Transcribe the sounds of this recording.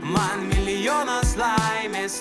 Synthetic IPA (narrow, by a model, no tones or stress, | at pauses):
mɐnmʲɪlʲɪjonoslaɪmʲeːs